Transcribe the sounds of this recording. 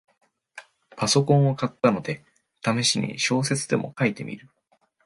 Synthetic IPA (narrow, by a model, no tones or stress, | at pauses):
paso̞kõɰ̃akat̪ːano̞d̪e̞ | t̪ameɕiɲ̟ḭɕo̞ːs̬e̞t͡sɨd̪e̞mo̞̰kait̪e̞̰mʲḭɾɯ̟